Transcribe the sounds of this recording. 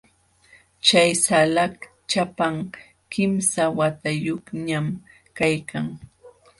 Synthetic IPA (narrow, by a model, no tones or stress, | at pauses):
t͡ʃajsalak | t͡ʃapaŋ | kɪmsawat̪ajoχɲam | kajkʰaŋ